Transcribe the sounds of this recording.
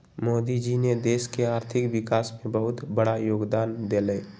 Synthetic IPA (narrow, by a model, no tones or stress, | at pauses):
moːd̪id͡ʒined̪eːskeaːɾt̪ʰɪkʋɪkaːsmẽbəɦʊt̪bəɽajoːɡd̪aːnd̪elə